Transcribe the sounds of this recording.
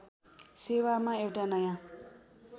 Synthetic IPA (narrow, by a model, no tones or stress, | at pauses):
sewamaewʈanʌjã